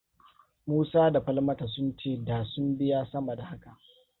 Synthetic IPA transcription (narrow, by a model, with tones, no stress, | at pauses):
muː˦saː˦da˨ɸɐ˦lmɐ˦ta˨s̬ʊ˦nt͡ʃeː˦˨daː˨sʊ˦mbɪ˦ja˦sɐ˦mɐ˨da˨ha˦ka˨ʔ